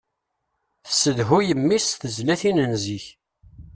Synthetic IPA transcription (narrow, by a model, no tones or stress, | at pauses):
θə̥səðɦujəmːisθəzlæθinənziç